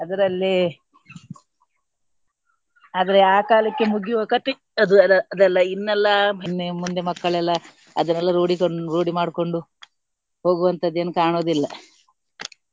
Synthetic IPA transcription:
ɐd̪ɐɾɐlːi | aːd̪ɐɾeaːkaːlɐkːe̞muɡjuʋɐkɐt̪e | ɐd̪uɐɐd̪ɛlːɐinːɛlːɐinːemund̪emɐkːɐɭɛlːɐ | ɐ̰d̪ɐnɛlːɐɾoːɽikoɳɾoːɽimaːɽko̞ɳɖu | ho̞ːɡuʋɐnt̪ɐd̪ːe̞ːnukaːɳoːd̪ilːɐ

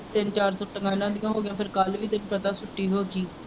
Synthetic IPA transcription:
t̪ɪnt͡ʃaːɾsoːʈəɡãːnãːd̪ɪjãːɦoːɡɪjãːpʰɪɾkəlʋiːt̪ɪnpət̪ãːsʊʈːiːɦoːt͡ʃiː

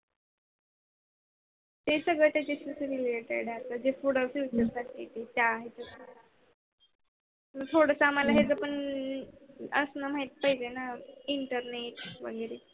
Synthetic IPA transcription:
t̪esəɡɭət̪at͡ɕeɕisɾileʈḛɽjat̪ad͡ʑefuɽɔʋfit͡ɕəɾsaʈet̪et͡ɕaɦet͡səka | məɡ̚t̪ʰoɽəsaːmalaɦed͡zəpəɳ | ə̰snam̤aɦit̪̚pəɦid͡ʑenaiɳʈəɾneʈʋəɡəɾe

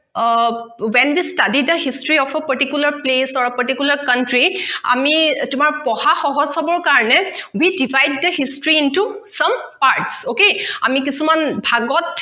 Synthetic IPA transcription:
wɛnwistadidəɦistɹiɔfʰəpaɹtikjulaɹplesaɹpaɹtikjulaɹkantɹia̰mitʊmaɹpɔhaxɔɦɔzsabɔɹkaɹɔnɛwidivʱajd̚ːəhistɹiːntusɔmpaɹtsokea̰mik̬isumanbʱaɡɔt

